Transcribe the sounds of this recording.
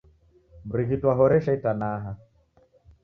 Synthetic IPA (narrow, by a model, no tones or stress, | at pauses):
bɾiɣitwaɦɔɾɛʃaitanaːɦa